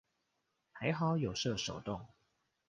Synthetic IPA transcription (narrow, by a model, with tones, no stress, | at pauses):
ha˧˥ɪxɑ˨˥ʊjo˨˩ʊʂɤ˥˧˩ʂo˨˩ʊt̪ʊ˥˩ŋ